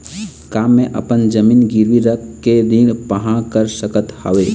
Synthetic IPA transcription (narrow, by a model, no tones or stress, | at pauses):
kaːmːẽʔɐ̰pənd͡ʒɐmiːnɡɪɾʋiɾəkːeɾĩːɽpəɦãkəɾsəkət̪həʋeː